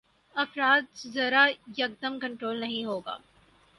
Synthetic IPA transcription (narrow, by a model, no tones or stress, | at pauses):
ɐfɾaːt̪̚szɐɾajɐk̚d̪əmkɐ̃ɳʈɾoːlnɐɦĩɦoːɡa̰ː